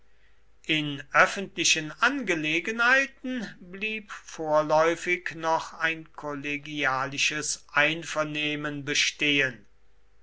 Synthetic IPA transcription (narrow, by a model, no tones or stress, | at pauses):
ʔɪnʔœfəntlɪʃənanɡəleːɡənhaɪtn̩bliːpfoːɐlɔʏfɪknɔχaɪnkʰɔleɡiaːlɪʃəsʔaɪnfɛɐneːmənbəʃteːən